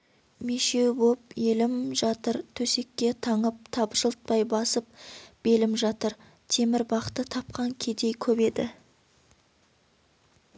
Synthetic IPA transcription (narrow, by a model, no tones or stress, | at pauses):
meʃe̞wbop̚jelɪmʒɑt̪əɾt̪ʰɵse̞kʲːe̞t̪ʰɑɴəp̚t̪ʰɑpʒəlˠət̪̚pɑjbɑsəp̚b̥e̞lɪmʒɑt̪əɾ | t̪ʰe̞mɪɾbɑqə̥t̪ːət̪ʰɑp̚qɑŋkʲʰe̞d̪e̞jkʲʰɵbe̞d̪ɪ̰